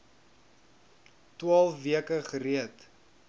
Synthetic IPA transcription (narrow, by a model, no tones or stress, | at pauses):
twɑːlˠfviəkəχəɾiət